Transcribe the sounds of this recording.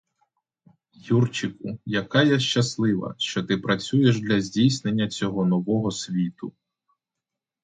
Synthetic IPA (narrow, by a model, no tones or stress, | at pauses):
jurt͡ʃɪkʊjɐkɑjɛʃt͡ʃɐslˠɪʋɐ̰ʃt͡ʃɔt̪ɪpɾɐt͡sʲujeʒd̪lʲɐzʲdʲijsne̞nʲːɐt͡sʲɔɦɔnɔʋɔɦɔsʲʋʲit̪ʊ